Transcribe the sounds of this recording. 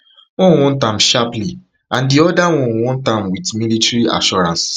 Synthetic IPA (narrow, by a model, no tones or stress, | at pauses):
wɔ̃nwɔ̃ntãmʃapli | ʔãndiɔdawɔ̃nwɔ̃ntãmwitmilitɹia̰ʃɔɹãns